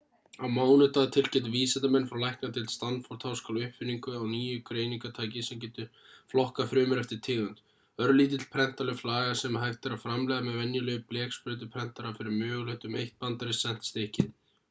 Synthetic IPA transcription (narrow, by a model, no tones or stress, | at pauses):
awmaːwnʏt̪aðt̪ʰɪlcɛt̪viːsɛt̪amɛnfɾawlajhknat̪ʰɪlst̪anfɔɾ̥t̪hawskʰalʏhpfɪnːiŋkʏawniːjʏkʰɾejniŋkat̪ʰaːjcɪsɛmcɛːt̪ʏ | flɔhkafɾʏːmʏɾɛft̪ɪɾ̥t̪ʰɪːɣʏnt̪ | œɾliːt̪̬ɪt̪l̥pʰɾɛn̥t̪alɛflaːɣasɛmɦajft̪ɛɾafɾamlɛɣðamɛðvɛnjʏlœɣʏplɛːkspɾʏːt̪̬ʏpʰɾɛn̥t̪aɾafɪɾɪɾmœːɣlœht̪ʏmejht̪̚pant̪aɾɪsɛn̥t̪st̪ehcɪn